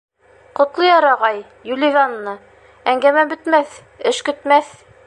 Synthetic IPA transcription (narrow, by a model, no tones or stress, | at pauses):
qŏt̪lˠɤjɑɾɑʁɑj | julʲɪvʲanːɤ | æŋɡæmæbɵ̆t̪mæθ | ɘʃkɵ̆t̪mæθ